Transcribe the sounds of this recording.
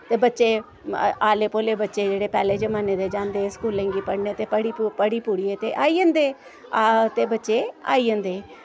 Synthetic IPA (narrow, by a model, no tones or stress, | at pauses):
t̪eːbətːʃeː | aːleːpoːleːbətːʃeːd͡ʒeːɽeːpɛːleːd͡ʒəmaːneːd̪eːd͡ʒãːnd̪eːskuːlːɛ̃ːŋɡiːpəɽneːt̪eːpəɽipəɽiːpuːɽiːeːt̪eːʔaːiːə̃nd̪eː | t̪eːbətːʃeːa̰ːiːɦə̃nd̪eː